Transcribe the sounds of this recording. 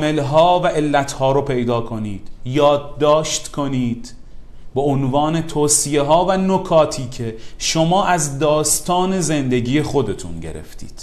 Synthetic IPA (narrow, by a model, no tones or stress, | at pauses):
me̞lɦɒːvæʔe̞lːæt̪ʰhɒːɾopʰe̞jd̪ɒːkʰo̞niːd̪̥jɒːd̪ːɒːʃt̪kʰo̞niːd̪̥ | beonvɒːne̞t̪ʰoːsije̞ɦɒːvænokʰɒːt̪ʰiːcʰe̞ʃo̞mɒːʔæzd̪ɒːst̪ɒːne̞ze̞nd̪e̞ɟiːje̞xo̞d̪e̞t̪ʰṵnɟe̞̰ɾḛft̪ḭːd̪̥